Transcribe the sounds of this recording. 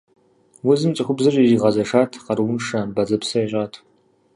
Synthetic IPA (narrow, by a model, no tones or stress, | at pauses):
wʊzɨmt͡ʃʼɨxʷʊbzɐrʼiʒiʁɐzɐʂaːtʰqɐrwʊnʂabɐzɐpsɐjɛɕʼaːtʰ